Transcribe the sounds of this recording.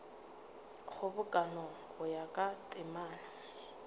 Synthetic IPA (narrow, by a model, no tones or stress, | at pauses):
χʊbʊkʼanɔ | χʊjakʼatʼɪmaːna